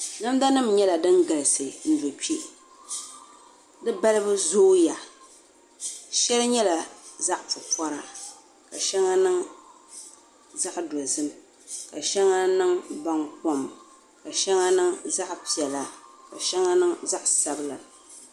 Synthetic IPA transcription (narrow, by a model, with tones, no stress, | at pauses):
na˦mda˦nɨ˦mɲɛ˦la˨dɨ˦ŋɡa˨lɨ˨sɨ˨n̩˦do˨pi˦i˦ʔ | dɨ˦ba˦lɨ˦bɨ˦zoː˦ja˨ | ʃɛ˦lɲɛ˦la˨za˦ʔpʊ˨pɔ˦ɾa˨ | ka˨ʃɛ˦ŋa˦nɨ˦ŋ | za˦ʔdɔ˨zɨ˦m | ka˨ʃɛ˦ŋa˦nɨ˦ŋba˦ŋk͡pɔ˦m | ka˨ʃɛ˦ŋa˦nɨ˦ŋza˦ʔpi˨ɛ˨la˨ka˨ʃɛ˦ŋa˦nɨ˦ŋza˦ʔsa˦bɨ˦la˨